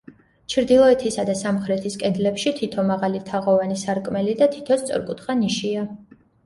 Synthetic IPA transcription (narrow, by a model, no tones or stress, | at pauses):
t͡ʃʰɾd̪ilˠɔɛt̪ʰisad̪asamχɾɛt̪ʰiskʼɛd̪lɛpʃit̪ʰit̪ʰɔmaʁalit̪ʰaʁɔvanisaɾkʼmɛlid̪at̪ʰi̥t̪ʰɔst̪sʼɔ̰ɾkʼut̪ʰχaniʃia